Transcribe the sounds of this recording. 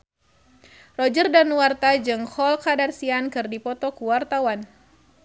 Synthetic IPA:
rɔd͡ʒərdanuwart̪ad͡ʒɨŋhɔlkadarsiankɨrdipɔt̪ɔkuwart̪awan

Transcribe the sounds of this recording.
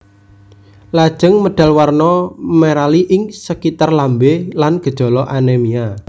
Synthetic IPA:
lad̥ʒ̥ə̤ŋməɖ̥a̤lwarnɔmeɾaliʔɪŋsəkit̪arlambelanɡ̥ə̤d̥ʒ̥ɔ̤lɔʔanɛmia

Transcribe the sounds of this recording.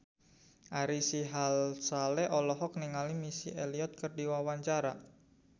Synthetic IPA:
ʔaɾisiɦalsalɛʔɔlɔɦɔk̚niŋalimisḭeliɔt̪̚kərdiwawaɲt͡ʃaɾa

